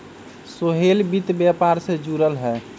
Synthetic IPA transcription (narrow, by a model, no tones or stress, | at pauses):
soɦelbit̪bjapaɾsẽd͡ʒuɾəlɦɛ